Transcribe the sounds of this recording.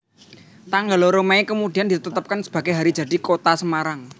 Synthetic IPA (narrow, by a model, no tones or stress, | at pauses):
t̪aŋɡaloɾomaekəmud̥i̤andit̪ət̪ət̪ːəp̚kansə̥b̥a̤ɡ̥eɦaɾid̥d͡ʒ̥a̤d̥i̤kot̪asəmaɾaŋ